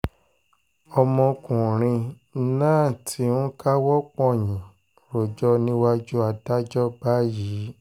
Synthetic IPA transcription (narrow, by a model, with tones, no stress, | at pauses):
ɔ˧mɔ̃˧kũ˨ɾ̃ĩ˧˦ | nãː˦˨tʰi˨˦ũ˦ka˦wɔ˦k͡pɔ̃˦˨jĩ˨ | ɾo˨d͡ʒɔ˦nĩ˦wa˦d͡ʒu˦a˧da˦d͡ʒɔ˦ba˦ji˨˦